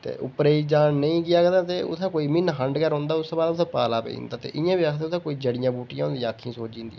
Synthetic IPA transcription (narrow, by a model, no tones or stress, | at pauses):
t̪ḛːʔʊpɾeːiːd͡ʒaːnnəĩːɡɪjaːkəd̪aːt̪eːʊ̰t̪ʰãːkoːiːmɪnɦəɳɖkəɾɦõːnd̪aːʊst̪oːbaːd̪ʊt̪ʰãːpaːlaːpḛḭ̃ːnd̪aːt̪ḛːʔɪjãːbiakt̪ẽʊt̪ʰãːkoːiːd͡ʒəɽɪjãːbuːʈɪjãːɦʊ̃nd̪ijãaːkʰːĩːsoːd͡ʒɪ̃ːnd̪ḭːɛ